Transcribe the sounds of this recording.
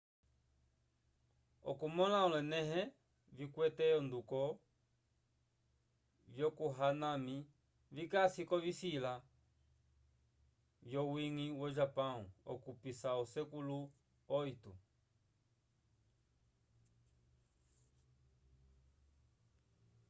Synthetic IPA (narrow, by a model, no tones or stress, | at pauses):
ɔ̰kumɔlaɔlɛnɛɦɛ | vikwɛtɛɔnd̪ukɔ | vjɔkuɦanami | vikasikɔvisila | vjɔwiŋiwɔʒapãũɔ̰kupisausɛkulu | ɔitṵ